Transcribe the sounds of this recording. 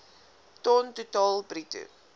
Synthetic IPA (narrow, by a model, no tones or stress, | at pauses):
tɔntutɑːlˠbritṵ